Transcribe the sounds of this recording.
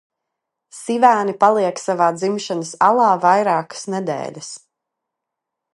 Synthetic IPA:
sivæːnipalˠiɛksavaːd̪zimʃanəsalˠɑːvajɾaːkə̥snɛd̪ɛ̰ːlʲɐs

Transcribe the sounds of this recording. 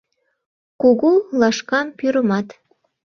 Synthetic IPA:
kuɣulɑʃkɑmpyɾə̆mɑt̪

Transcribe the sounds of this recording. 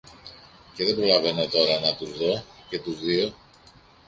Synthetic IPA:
ce̞ðebɾo̞lɐve̞no̞t̪o̞ɾɐnɐt̪uzðo̞ce̞t̪uzðio̞

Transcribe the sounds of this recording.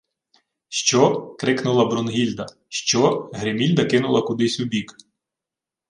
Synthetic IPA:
ʃt͡ʃɔkɾɪknʊlˠɐbɾɔnɦʲilʲd̪ɐ | ʃt͡ʃɔɦɾemʲilʲd̪ɐkɪn̪ʊlˠɐkʊd̪ɪsʲʊbʲik

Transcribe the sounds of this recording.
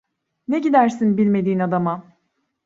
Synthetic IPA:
ne̞ɟid̪æɾsinbilʲme̞d̪iːnad̪ama

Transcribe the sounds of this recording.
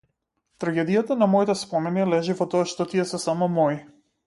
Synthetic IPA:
t̪ɾaɡɛd̪ijat̪anamɔit̪ɛspɔmɛnilɛʒivɔt̪ɔaʃt̪ɔt̪iɛsɛsamɔmɔji

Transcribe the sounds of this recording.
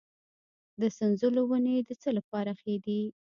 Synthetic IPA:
d̪əsanzulowaned̪ət͡səlapɑɾaxed̪i

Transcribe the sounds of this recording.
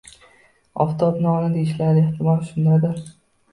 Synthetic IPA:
ɒ̰ft̪ʰɒpnɪɒnɪd̪eɪʃlaɾnɪɪht̪ʰɪmɒlʃʊnd̪ad̪ɪ

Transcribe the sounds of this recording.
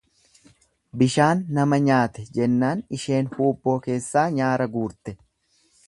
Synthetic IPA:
bɪʃaːnːɐmɐɲaːt̪ɛd͡ʒɛnːaːnɪʃe̞ːnhuːbːo̞ːke̞ːsːaːɲaːɾɐɡuːɾt̪ɛ

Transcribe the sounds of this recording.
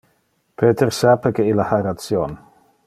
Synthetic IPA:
pʰeːt̪ersapekeilahaeɾat̪sjon

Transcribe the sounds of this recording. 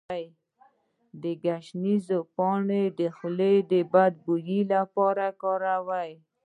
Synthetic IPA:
j | d̪əɡaʃnizopɔɳed̪əxʊled̪əbad̪̚bujilapɔɾakɔɾawaj

